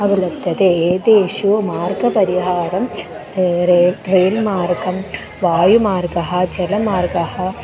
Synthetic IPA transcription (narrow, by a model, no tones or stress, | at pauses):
ɐʋɐlɐbd̪ʱːɐt̪eːd̪eːʃumaːɾɡɐpɐɾiɦaːɾɐm | ɾeːlmaːɾɡɐm | ʋaːjumaːɾɡɐɦɐ̆d͡ʒɐlɐmaːɾɡɐhɐ̆